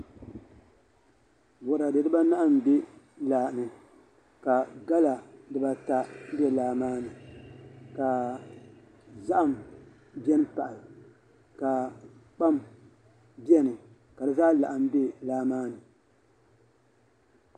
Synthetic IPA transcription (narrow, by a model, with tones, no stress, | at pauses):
wɔ˨ɾa˨dɨ˨dɨ˦ba˦na˦ʔa˦m˨be˦ | laː˨nɨ˨ | ka˨ɡa˦la˨dɨ˦ba˦ta˦bɛ˦laː˨maː˦nɨ˨ | ka˨ | za˦ʔa˨m | bɛ˦n˦pa˨ʔa˨l | ka˨k͡pa˦m | bjɛ˦nɨ˨ | ka˨dɨ˦zaː˦la˨ʔa˨m˦be˦laː˦maː˦nɨ˨